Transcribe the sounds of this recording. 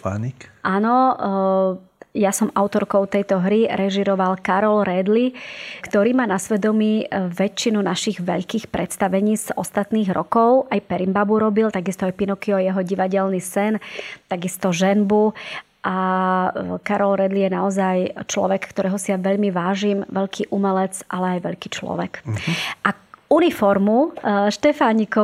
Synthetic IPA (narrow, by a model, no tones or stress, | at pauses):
pa̰nikʔanɔ | jasɔmʔaʊt̪ɔɾkɔʊt̪ɛjt̪ɔɦɾiɾɛʒiɾɔʋalkaɾɔlɾɛd̪likt̪ɔɾiːmaːnasʋɛd̪ɔmiːʋɛt͡ʃːinunaʃiɣʋɛ̰ʎkiːxpɾɛt̪st̪aʋɛɲiːz̥ɔst̪at̪niːɣɾɔ̰kɔʊʔajpɛɾimbabuɾɔbilt̪aɡist̪ɔajpinɔkiɔjɛɦɔɟiʋaɟɛlnisɛnt̪aɡist̪ɔʒɛnbu | ʔa | kaɾɔlɾɛd̪lijɛnaɔzajt͡ʃlɔ̰ʋɛkkt̪ɔɾɛɦɔsijaʋɛʎmiʋaːʒimʋɛʎkʰiʔumɛlɛt͡sʔa̰lɛajʋɛ̰ʎkiːt͡ʃlɔ̰ʋɛkʔaunifɔɾmuʃt̪ɛfaɲikɔ